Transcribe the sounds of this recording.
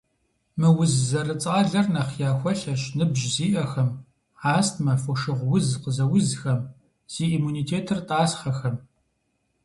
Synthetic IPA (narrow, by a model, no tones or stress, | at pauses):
mɨwʊzzɐrɨt͡sʼaːɮɐrnɐχjaːxʷɔɬɐɕnɨbʒziːʔɐxɐm | ʕaːstʰmɐfɔʃɨʁʷwʊzqəzɐwʊzxɐm | z̥iːimuniːtʰeːtʰɨrtʼaːsχɐxɐm